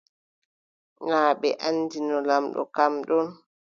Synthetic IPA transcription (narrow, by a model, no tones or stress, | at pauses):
ŋaːɓɛ̰ʔanːdinɔlamɗɔ̰kamɗɔn